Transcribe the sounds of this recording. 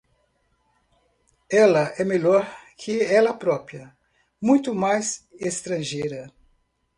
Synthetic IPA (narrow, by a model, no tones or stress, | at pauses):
ɛlɐʔɛmeʎɔɾkʰɪɛlɐpɾɔpiɐ | mũj̃t̪ʊmajsest̪ɾɐ̃ʒejɾɐ